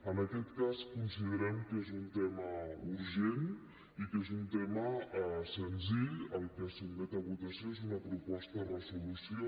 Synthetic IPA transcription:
ənəkɛt̪kaskunsiðəɾɛmkezunt̪ɛməuɾʒen | ikezunt̪ɛməsənziʎəlˠkəsumɛt̪əβut̪əsioezunəpɾupɔst̪ərəzulusio

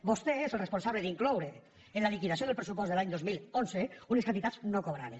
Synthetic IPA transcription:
bost̪eezelˠresponsaβleðiŋklowɾe | enlalikiðasioðelˠpɾesupɔzðelaɲd̪ozmilˠonseuneskant̪it̪at͡snokoβ̞ɾaðes

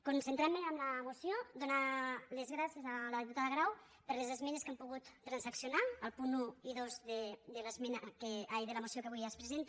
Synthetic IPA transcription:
kunsent̪ɾammeamlamusjod̪onalezɣɾasjezalaðiput̪aðəɣɾaw | pəɾlezezmɛneskempuɣut̪ːɾansaksjunaəlˠpunuiðozðed̪elezmɛnakeajðelamusiokəβujaspɾezent̪

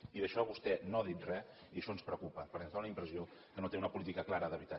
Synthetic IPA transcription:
iðəʃɔβust̪ɛnoəðit̪rɛ | iəʃɔənspɾəkupəpəɾkɛnzd̪onunəimpɾəziokənot̪eunəpulit̪ikəklaɾəðəβit̪a

